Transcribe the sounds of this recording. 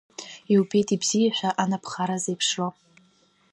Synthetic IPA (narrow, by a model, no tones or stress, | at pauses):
iwpʰe̞jtʼibzijaħʷᶣaʔanapʰχaɾazejpʰʂo